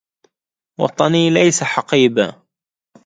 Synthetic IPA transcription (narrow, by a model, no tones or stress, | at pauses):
wɑ̰t̪ˤɑniːlajsaħɑqiːba